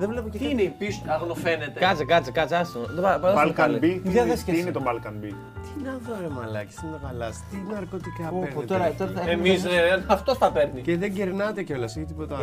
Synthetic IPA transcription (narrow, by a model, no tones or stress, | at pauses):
ðevlepoct̪iineipisɐɣnofenet̪ekɐt͡sikɐt͡sikɐt͡sɐst̪ot̪oɐpɐɐlkɐlbiɐðesiinet̪obɐlkɐnbi | t̪inɐnfɾovemɐlɐci̥sineɣɐlɐst̪inɐɾkot̪ikɐeɾnit̪oɾɐt̪oɾɐemiisɐft̪osθɐpeɾniceðeɲɟeɾnɐt̪eceo̞lɐseçit̪ipo̞t̪ɐ